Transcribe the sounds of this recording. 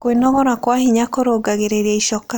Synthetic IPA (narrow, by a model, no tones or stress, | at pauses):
kwenɔɣɔɾakwahiɲakoɾoɡaɣeɾeɾiaiʃɔka